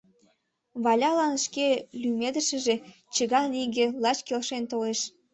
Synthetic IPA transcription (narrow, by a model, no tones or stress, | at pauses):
βɑlʲɑlɑnʃkelymed̪ə̆ʃə̆ʒe | t͡ɕəɣɑliɣelɑt͡ɕkelʃent̪oleʃ